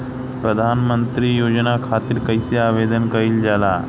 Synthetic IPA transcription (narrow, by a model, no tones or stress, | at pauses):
pɾəd̪ʱanmənt̪ɾiːjod͡ʑnakʰat̪iːɾkəjseaʋed̪ənkəiːld͡ʒala